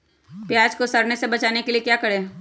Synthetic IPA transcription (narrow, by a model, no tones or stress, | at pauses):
pjaːd͡ʒkosɐɾnesebɐt͡ʃaːnekeliekjaːkɐɾeː